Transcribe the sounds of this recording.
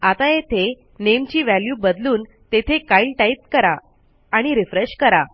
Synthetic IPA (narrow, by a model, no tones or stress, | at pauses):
at̪ajet̪ʰe | nemt͡ɕiːʋæljubəd̪luːn | t̪et̪ʰekailʈait̪kəɾaː | ɽ̃iɾifɾeɕkəɾa